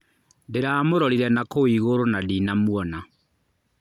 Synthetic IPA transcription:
deɾaːmoɾɔɾiɾɛnakoiɣoɾonadiːnamwɔna

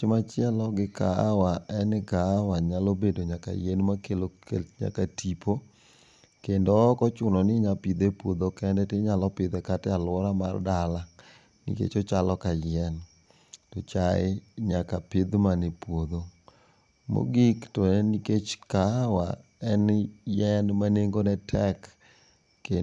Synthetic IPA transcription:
t͡ʃɪmat͡ʃɪɛlɔɡɪka̰waɛnkawaɲalobedoɲaka̰jenmakelokḛɲa̰katipʰo | kendɔkɔt͡ʃʊnɔnɪɲapid̪epwod̪okɛndɛtɪɲalɔpɪd̪ɛkatɛalwɔɾama̰rdala | nḭkḛt͡ʃɔt͡ʃalɔkajɛn | tɔt͡ʃaɪ̰ɲakapɪd̪manepwod̪o | mo̰ɡiktɔniket͡ʃkawa̰ | ɛnjɛnmaneŋɡonɛtʰɛkː | e

